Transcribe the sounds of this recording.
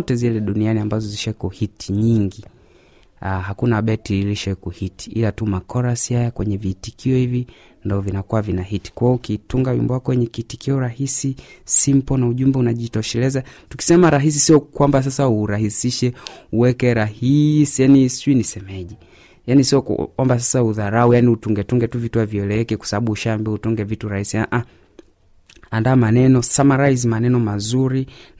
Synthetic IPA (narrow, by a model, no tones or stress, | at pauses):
ɔtɛzilɛɗunianiambazɔziʃakuhitʰiɲiŋɡi | aɦakunaɓɛtiiliʃakuhiti̥ʔilatumakɔɾasihajakwɛɲɛviːtikʰiɔhivi | ndaɔvinakuwavinahiti̥kwaɔukituŋɡawḭmbɔwakɔwɛɲɛkitikiɔɾahisisim̩pɔnauʄumbɛunaʄitɔʃɛlɛzatu̥ki̥sɛmaɾaɦis̬isiɔkwambas̬asauɾahisiʃɛuwɛkɛɾahisijanisuinisɛmɛʄɛ | janisiɔwambas̬asauðaɾaujaniutuŋɡɛtuŋɡɛtuvituaviɛlɛɛkɛkwḁsaɓaɓuuʃaːmbiautuŋɡɛvituɾahisiaʔa | andaːmanɛnɔsamaɾajzimanɛnɔmazuɾi